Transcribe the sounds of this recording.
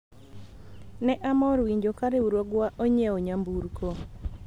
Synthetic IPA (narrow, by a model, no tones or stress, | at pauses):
nɛʔamɔɾwiɲd͡ʒokaɾeuɾwoɡwaʔoɲeoɲambuɾko